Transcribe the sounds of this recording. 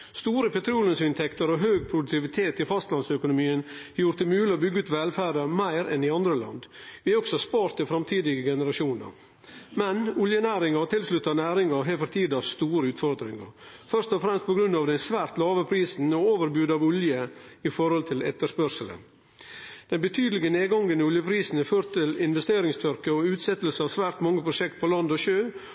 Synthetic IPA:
st̪uːɾəpɛt̪ʰɾuːlənsɪnt̪ʰɛkt̪əɾɔɦøːɡ̚pʰɾʊd̪ʉk̚t̪ɪʋɪt̪ʰeːt̪ɪfɑst̪lɑnsœkʊnʊmiːənɑjʊɾt̪əmʉːləɔbʏɡːʉt̪ʋɛlfæːɾəmæɪɾɛ̰nɪɑnd̪ɾəlɑ̰nd̪ʋɪæɔksɔspɑːɾt̪əfɾɑmt̪ʰiːd̪ɪɡəɡɛnəɾɑʂuːnə̰ɾ | mɛnʊljənæːɾɪŋɑɾt̪ʰɪlslʉt̪ːɑnæːɾɪŋɑɾɦɛːlfəɾt̪ʰiːd̪ɑst̪uːɾəʉːt̪fɔɾd̪ɾɪŋə̰ɾfœɾst̪ɔfɾɛmst̪̚pʰɔɡɾʉnːɑːʋd̪ɛɪsʋæːɾt̪lɑːʋəpʰɾiːsn̩ɔoːʋəɾbjʉːd̪ɑʋʊljəɪfɔɾhɔlt̪ʰɪlɛ̰t̪ːəʂpœɾʂələ̰n | d̪̥ɛnbət̪ʰyːd̪əlɪɡəneːɡɑŋɡənəʊljəpʰɾiːsn̩ɛføːɾt̪ʰːɪlɪnʋɛst̪eːɾɪŋst̪ʰœɾkəɔʉːt̪sɛt̪ːəlsəɑːʋsʋæːɾt̪mɑŋːəpʰɾʊʂɛkt̪̚pʰɔlɑnd̪ɔʃøː

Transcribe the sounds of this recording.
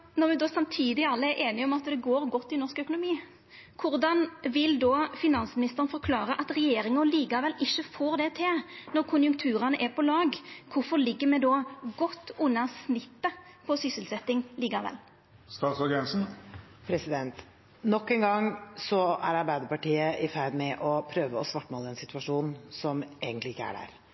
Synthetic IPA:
nɔɾmɛd̪oːsɑmt̪ʰiːd̪ɪɑlːəɛɾʔeːnɪɔmɑt̪d̪ɛɡoːɾɡɔt̪ːɪnɔɾskœkʊnʊmiː | kʰʊɾd̪ɑnʋɪld̪ɔːfɪnɑnsmɪnɪst̪əɾənfɔɾkʰlɑːɾəʔɑt̪ɾɛjeːɾɪŋəliːkɑʋɛlɪçːəfoːɾd̪ɛt̪ʰɪlnɔɾkʰʊnjʊŋkt̪ʰʉːɾɑnəʔɛpʰɔlɑːɡkʰʊfɔʁlɪɡːəmɛd̪ɔːɡɔt̪ːʊnːɑsnɪt̪ːəpʰɔsʏsəlsɛt̪ːɪŋliːkɑʋɛ̰l | st̪ɑːt̪sɔɡɾɛnsn̩ | pʰɾɛsɪd̪ɛnt̪ | nɔkːɛŋɡɑŋsɔæ̰ɾɑɾbæɪd̪əɾpɑʈiːəʔɪfæɪd̪mɛʔɔpʰɾøːʋəɔsʋɑʈːmoːləɛnsɪt̪ʰʉʋɑʂuːnsɔmʔeːɡənt̪lɪɪkːəæ̰ɖæ̰ɾ

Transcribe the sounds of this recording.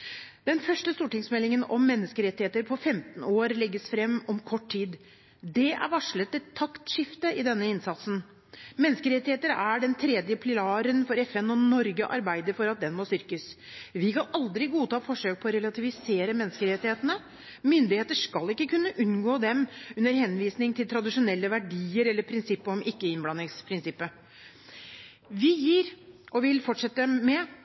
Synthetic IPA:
d̪̥ɛnfœʂʈəst̪uːʈɪŋsmɛlːɪŋənɔmːɛnːəskəɾɛt̪ːɪheːt̪əɾpʰɔfɛmt̪n̩oːɾlɛɡːəsfɾɛmːɔmkʰɔʈʰːiːd̪ | d̪ɛʔæ̰ɾʋɑʂɭət̪ːɪlt̪ʰɑkt̪ʂɪft̪əɪd̪ɛnːəɪnsɑt̪sn̩ | mɛnːəskəɾɛt̪ːɪheːt̪əɾæɖɛnt̪ʰɾɛːd̪jəpʰlɪɑːɾənfɔɾɛfɛnɔnɔɾɡəʔɑɾbæɪd̪əɾfɔɾɑt̪̚d̪ɛnmoːst̪ʏɾkəs | ʋɪkʰɑnɑld̪ɾɪɡuːt̪ʰɑːfɔʂøːk̚pʰɔːɾɛlɑt̪ʰɪʋɪseːɾəmɛnːskəɾɛt̪ɪheːt̪ənə | mʏnd̪ɪheːt̪əʂkɑlːɪkːəkʉnːəʔʉnɡoːd̪ɛmʉnːəɾhɛnʋiːsnɪŋt̪ʰɪlt̪ʰɾɑd̪ɪʂʊnɛlːəʋæɖiːəɾɛlːəɾpʰɾɪnsɪpːəɔmɪkːəɪnblɑnːɪŋspʰɾɪnsɪpːə | ʋɪjiːɾʔɔʋɪlfɔʈʂɛt̪ːəmɛ

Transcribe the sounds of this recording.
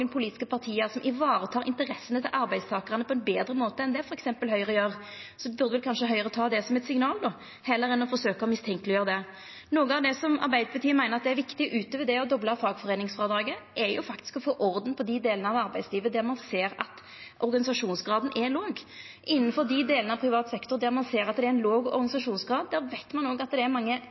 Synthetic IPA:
ənpʰʊliːt̪ɪ̥skəpʰɑʁt̪ʰiːəsɔmʔɪʋɑːɾət̪ʰɑːʁɾɪ̰nt̪əɾɛsːənət̪ʰɪlʔɑɾbæɪst̪ʰɑːkʁɑnəpʰɔɛnbeːd̪ɾəmoːt̪əɛnd̪ɛæfɔɾɛksɛmpəlɦœʏʁəjøːʁ | sɔbʉʁd̪əʋɛlkʰɑnʂəɦœʏəʁət̪ʰɑːd̪ɛsɔmɛt̪sɪŋnɑːld̪ɔ | hɛlːəɾɛnːɔfɔʁʂsøːkəɔmɪst̪ʰɛŋkəlɪjøːɾəd̪ɛ | nuːɡəɑʋd̪ɛsɔmɑ̰ɾbæɪd̪əbɑt̪ʰyːmæɪnəʁɑt̪̚d̪ɛæɾʋɪkt̪ɪʔʉːt̪əʋɛd̪ɛɔd̪ɔbləfɑːɡfɔʁeːnɪŋsfʁɑːd̪ɾɑːɡəʔɛjʊ̰fɑkt̪ɪ̥skɔfoːʔɔɾd̪n̩pʰɔd̪ɪd̪eːlənəɑʋɑʁbæɪsliːʋəd̪æʁmɑnseːɾɑ̰t̪ | ʔɔɾɡɑnɪsɑʂuːnsɡʁɑːd̪n̩ʔɛloːɡ | ʔɪnːənfɔʁd̪ɪd̪eːlənəɑʋpʰɾɪʋɑːt̪sɛkt̪ɔɾd̪æɾmɑnseːɾɑt̪̚d̪ɛæɪnloːɡɔ̰ɾɡɑnɪsɑʂuːnsɡʁɑːd̪d̪æːʁʋæɪt̪mɑnoːɡɑt̪̚d̪ɛæɾmɑŋːə

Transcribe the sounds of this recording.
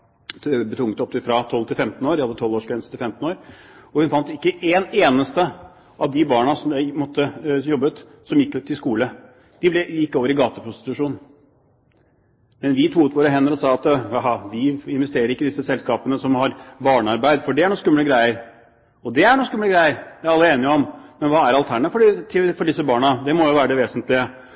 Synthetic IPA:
bət̪ʰʊŋət̪ɔp̚t̪ɪfɾɑt̪ʰɔlt̪ʰɪlfɛmt̪n̩oːɾdɪhɑd̪ːət̪ʰɔlːoːʂkʋɛnsə̥t̪ʰɪlfɛmt̪n̩oːɾɔhʉnfɑnt̪ɪkːəʔeːneːnəst̪ə | ʔɑʋd̪ɪbɑːɳɑsɔmjæɪmɔt̪ːəjɔbːət̪ | sɔmjɪkːʉt̪ʰːɪlskuːlə | d̪̥ɪblɛjɪkːəoːʋəɾɪɡɑːt̪əpʰɾʊst̪ɪ̥t̪ʉʂuːnn̩ | mɛnʋɪt̪ʰuːʉːt̪ʋoːɾəɦɛnːəɾɔsɑːɑt̪jɑɦɑʋ̪ɪɪnʋɛst̪eːɾəɾɪkːəd̪ɪsːəsɛlskɑːpənəsɔmhɑɾbɑːɳɑɾbæɪd̪fɔɖɛæɳuːnskʉmːləɡɾæɪəɾ | ɔd̪ɛæɳuːskʉmləɡɾæɪəɾjæɪɑlːəeːnɪəɔmmɛnʋɑːæɾɑlt̪ʰæɳəfɔɖt̪ʰɪfɔɖɪsːəbɑːɳɑd̪ɛmɔjʊʋæːɾəd̪ɛʋeːsənt̪lɪə

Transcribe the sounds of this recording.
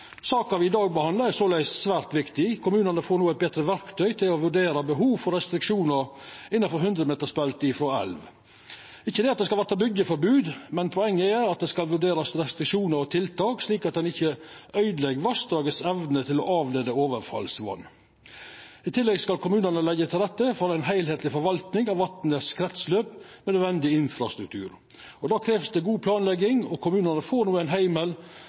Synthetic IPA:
sɑːkɑʋɪɪd̪ɑːɡ̚bəhɑnd̪lɑɾæsoːlæɪssʋæːɾt̪ʋɪkt̪ɪkʰʊmʉːnənəfoːɾnuːæɛt̪̚bɛt̪ɾəʋæɾkt̪ʰœʏt̪ʰɪlɔʋʉɖeːɾɑbəɦuːʋfɔɾɛst̪ɾɪkʂuːnəɾ | ɪnːɑfɔɾɦʉnd̪ɾəmeːt̪əʂpɛlt̪ɪfɾoːɛ̰lʋ | ɪçːəd̪ɛːɑt̪̚d̪ɛskɑlʋæt̪ːɑbʏɡːəfɔɾbʉːd̪mɛnpʰɔɛŋːəæɾɑt̪̚d̪ɛskɑlʋʉɖeːɾɑsɾɛst̪ɾɪkʂuːnəɾɔt̪ʰɪlt̪ʰɑːksliːkɑt̪̚d̪ɛnɪçəʔœʏd̪lɛɡəɾʋɑsd̪ɾɑːɡəsɛʋnət̪ʰɪlɔʔɑːʋleːd̪əoːʋəɾfɑ̰lsʋɔ̰nː | ɪt̪ʰɪlːɛɡskɑlkʰʊmʉːnəɳəlɛɡːət̪ʰɪlɾɛt̪ːəfɔɾæɪnɦæɪlheːt̪ʰlɪfɔɾʋɑlt̪nɪŋɑʋɑt̪nəskʰɾɛt̪sløːpmɛnœd̪ʋɛnd̪ɪɪnfɾɑst̪ɾʉkt̪ʰʉ̰ːɾ | ɔd̪ɑːkʰɾeːʋsd̪ɛɡuːpʰlɑːnlɛɡɪŋɔkʰʊmʉːnənəfoːnuːæɪnɦæɪməl

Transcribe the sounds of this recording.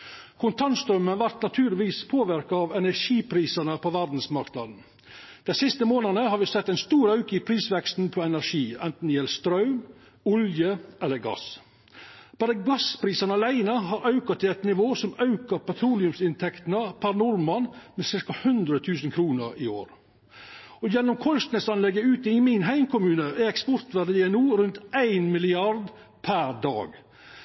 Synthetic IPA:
kʰʊnt̪ʰɑnst̪ɾœmːənʋæɾt̪nɑt̪ʰʉːɾlɪʋiːspʰoːʋɪɾkɑɑʋɛnæʂiːpʰɾiːsɑnəpʰɔʋæɾd̪n̩smɑɾkt̪nɑ̰ːd̪n̩ | d̪̥æɪsɪst̪əmoːnɑnəhɑɾʋɪsɛt̪ːæɛɪnst̪uːɾɑʉkəɪpʰɾiːsʋɛkst̪n̩pʰɔɛnæɾʂiːɛnt̪n̩jɛlst̪ɾɑʉm | ʊljəʔɛlːəɾɡɑ̰s | b̥ɑːɾəɡɑspɾiːsɑnəɑlæɪnəɦɑːɾʔɑʉkɑt̪ʰɪlæɪt̪nɪʋoːsɔmɑʉkɑpɛt̪ʰɾuːlɪʉmsɪnt̪ʰɛkt̪nəpʰæɾnɔɾmɑnmeːsɪɾkɑhʉnd̪ɾət̪ʰʉːsən̩kʰɾuːnəɾɪo̰ːɾ | ɔjɛnːɔmkʰɔlst̪nəsɑnlɛɡːəʉːt̪əɪmɪnɦæɪmkʊmʉːnəʔɛɾɛkspɔɾt̪ʋæd̪əd̪eɛnuːɾʉnt̪æɪnmɪlɪɑɾd̪ | pʰæɾd̪ɑ̰ːɡ

